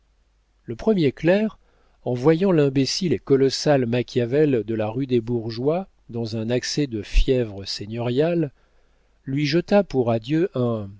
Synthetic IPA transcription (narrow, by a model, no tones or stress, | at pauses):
ləpχəmjeklɛʁ | ɑ̃vwajɑ̃lɛ̃besilekɔlɔsalmakʲjavɛld̪əlaʁyd̪ebuʁʒwa | d̪ɑ̃zɛ̃naksɛd̪əfjɛvʁəseɲɔʁjalː | ɥiʒət̪apuʁad̪jøʔɛ̃